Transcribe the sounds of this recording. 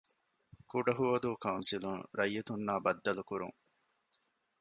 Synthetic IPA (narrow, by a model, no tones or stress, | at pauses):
kuɖɐɦuʋɐd̪uːkɐunsiluŋɾɐjːɐt̪unːaːbɐd̪ːɐlukuɾṵŋ